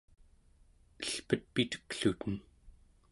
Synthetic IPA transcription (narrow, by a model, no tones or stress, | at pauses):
əɬpət̪̚pit̪ə̥kɬut̪ən